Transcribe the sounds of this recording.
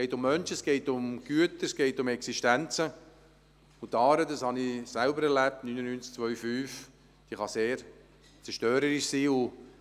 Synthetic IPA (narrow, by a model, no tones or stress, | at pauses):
kɛɪtʊmːœnʃəsɡ̥ɛɪtʊmɡ̥yətəsɡ̥ɛɪtʊmɛksiʃtænt͡sə | ʊt̪ːɑːɾədɑshɑnisælbəɾɛɾlæp̚tnynənyːnt͡sk̚t͡sʋœʏfyːf | d̥iːχɑseːɾ | t͡sɛʃtøːɾəɾɪʃsiːʊ